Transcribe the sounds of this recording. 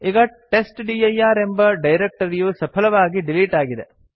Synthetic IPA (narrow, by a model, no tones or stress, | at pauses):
iːɡɐʈesʈɖiːɐjaːɾe̞mbɐɖɐjɾek̚ʈɐɾijusɐpʰɐlɐʋaːɡiɖiliːʈaːɡid̪e̞̰